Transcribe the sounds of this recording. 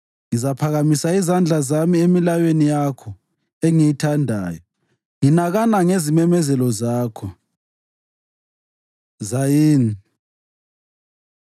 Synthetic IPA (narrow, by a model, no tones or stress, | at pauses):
ŋizapʰaɣamisaizand͡ɮʱazamiemilajwenijakʰɔ | eŋijitʰandʱa̰ːjɔ | ŋinaɣanaŋezimɛmɛzɛlɔzaːkʰɔ | zajiːni